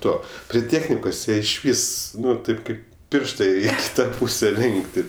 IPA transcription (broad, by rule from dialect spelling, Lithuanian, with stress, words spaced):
ˈtuɔ pʲrʲɪ ˈtʲeːxʲnʲɪkoːs ˈjiɛ ɪʃʲˈʋʲɪs ˈnʊ ˈtɐɪp ˈkɐɪp ˈpʲɪrʃtɐ ɪ ˈɐkʲsʲ ˈtɑː ˈpuːsʲɛ ˈlʲɪŋktʲɪ